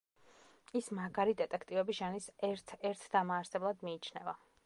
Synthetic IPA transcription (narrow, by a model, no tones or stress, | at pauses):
ismaɡaɾid̪ɛt̪ʼɛkʰt̪ʼivɛbiʒanisɛɾt̪ʰɛɾt̪ʰd̪̥amaːɾsɛblˠad̪miːt͡ʃʰnɛva